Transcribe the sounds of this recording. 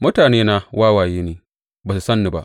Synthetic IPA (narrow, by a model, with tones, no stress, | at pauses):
mʊ˦taː˨neː˦naː˦wʔaː˦waː˨jeː˦neː˨ | baː˨su˨sɐ˦nːi˨ba̰˦ʔ